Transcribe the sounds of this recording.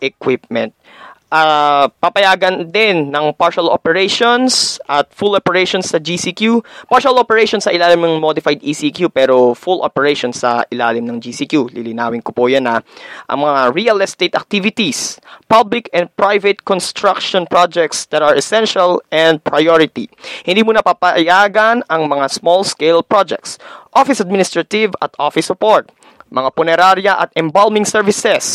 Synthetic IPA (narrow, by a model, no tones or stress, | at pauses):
ʔɛkwɪp̚mɛ̰̃nt̪̚ | ʔapɐpɐjaːɡɐnd̪ɪnːɐŋpaɹʃɐlʔo̰pɛɹɛjʃonsʔɐt̪̚fulopɛɹɛjʃonsːɐd͡ʒisikjupaɹʃɐlopɛɹɛjʃonsɐʔɪlaːlɪmnɐŋmod̪ɪfajd̪isikjupɛːɾofulʔo̰pɛɹɛʃonsːɐ̰ʔɪlaːlɪmnɐŋd͡ʒisikjulɪlɪna̰ːwɪnkopojɐnɐʔɐ̰ŋmɐŋaɹiɐlɛst̪et̪ɐ̰k̚t̪ivɪt̪ispablɪkɛ̃n̚pɹajvɛt̪̚kɔnst̪ɹakʃɔnpɹod͡ʒɛk̚t̪sd̪ɐɾɐɹɛsɛnʃɐlʔɛ̃nd̪̚pɹajoɹɪt̪ḭhɪnd̪iːmunɐpapɐjaːɡɐnɐŋmɐŋasmolskɛlpɹod͡ʒɛ̰k̚t̪sʔofɪsɐd̪̚minɪst̪ɹɐt̪ɪvɐ̰t̪ʔofɪsʊpoɹt̪̚ | mɐŋapʊnɛɾaɾjɐʔɐ̰t̪ʔɛmbalmɪŋsɛɹvɪsɛs